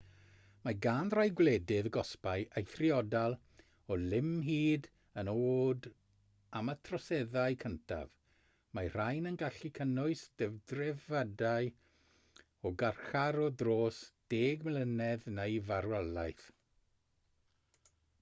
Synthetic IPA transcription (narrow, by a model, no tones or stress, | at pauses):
maɡaːnrajɡwlɛdɪðəɡɔspaɨʔejθrɪɔdalˠ | ɔlɪmɦiːd | ənoːd | amətʰrɔsɛðaɨkʰəntʰa̰v | mar̥ajnənɡaɬikʰənʊɨsd̥ɛvdrɛvadaɨ | ɔɡarxaɾɔdroːsd̥eːɡmlənɛðnejvarwɛlˠajθ